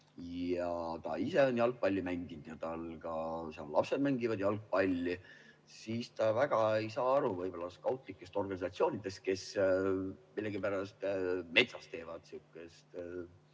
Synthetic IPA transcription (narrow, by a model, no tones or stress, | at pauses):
jɑt̪ɑ̰ise̞onʲjɑlɡ̚pɑlʲːjumæŋɡind̪̥jɑt̪ɑlɡ̥ɑseɑlːɑ̰pse̞d̪mæŋɡivɑd̪̥jɑlɡ̚pɑlʲːi | siːst̪ɑvæɡ̥ɑejsɑːɑɾuvɤjbo̞lɑskɑwt̪ˑlikːˑe̞st̪o̞rɡ̥ɑnʲisɑt̪sio̞ːnid̪̥e̞st̪̚ke̞s | milːe̞ɡipæɾɑst̪me̞t̪sɑst̪e̞ːvɑd̪̥suːkːˑest̪